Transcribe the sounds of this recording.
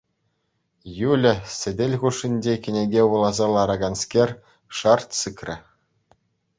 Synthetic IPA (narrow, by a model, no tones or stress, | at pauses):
julʲɘ̆sʲɘ̆dʲelʲʁuʂːinʲd͡ʑekʲɘ̆nʲeɡʲeʋulˠɑzɑlˠɑɾɑɡɑnskʲerʲ | ʂɑrt̪sɯkrʲɘ̆